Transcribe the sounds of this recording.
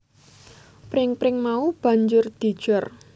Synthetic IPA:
pɾɪŋpɾɪŋmaub̥a̤ɲd͡ʒʊrd̪̥i̤d̥ʒ̥ɔr

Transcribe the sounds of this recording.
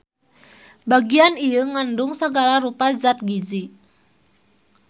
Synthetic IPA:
baɡianijəŋanduŋsaɡalaɾupazat̪̚ɡizi

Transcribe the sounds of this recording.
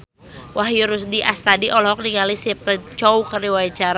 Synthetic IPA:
wʔahjuɾusdiʔast̪adiʔɔlɔɦɔk̚niŋalisip̚t̪ət͡ʃɔwkərɾiwait͡ʃaɾ

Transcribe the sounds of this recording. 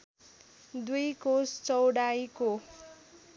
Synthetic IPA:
d̪ujkost͡sʌwɽajko

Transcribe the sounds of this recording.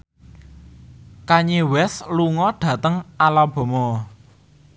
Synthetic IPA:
kaɲewɛsluŋɔɖ̥ä̤t̪əŋalab̥ɔ̤mɔ

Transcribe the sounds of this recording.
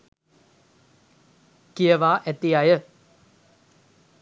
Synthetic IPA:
kijɐʋaːʔet̪ːijajə

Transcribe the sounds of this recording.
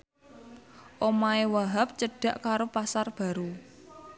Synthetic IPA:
ʔomaewaɦap̚t͡ʃəɖ̥ä̤ʔkaɾopasarb̥a̤ɾu

